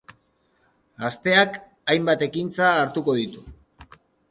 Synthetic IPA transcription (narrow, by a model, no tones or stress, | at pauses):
ast̪e̞ak | ajmbat̪e̞kint͡saːɾt̪uko̞ðit̪u